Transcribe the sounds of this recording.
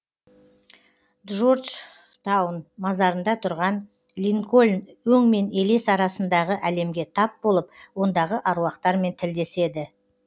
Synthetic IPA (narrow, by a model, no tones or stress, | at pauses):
ʒord̪ʒ | t̪awnmɑzɑɾənd̪ɑt̪ʰʊɾʁɑn | lʲiŋko̞lʲnwɵŋme̞ne̞lesɑɾɑsənd̪ɑʁəʔæle̞mɡʲe̞t̪ʰɑp̚bo̞lˠəp̚wo̞nd̪ɑʁəʔɑɾuɑqt̪ɑɾme̞nt̪ʰɪld̪e̞se̞d̪ɪ